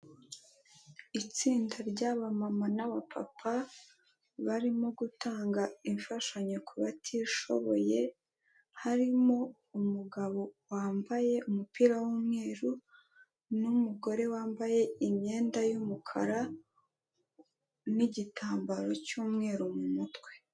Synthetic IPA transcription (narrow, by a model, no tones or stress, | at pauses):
it͡siːndaɾɟaβamamanaβapʰa̰pʰa | βaɾimo̞ɡutaːŋɡaiɱfaʃaɲokʰuβatʰiʃo̞̰βo̞je̞ | haɾimo̞ | umuɡaβo̞waːmbaje̞umupiːɾawuːmŋe̞ːɾu | numuɡo̞ɾe̞waːmbaje̞iɲɲe̞ːndajumukʰa̰ɾa | niɟitaːmbaɾo̞cuːmŋe̞ɾumumutwe̥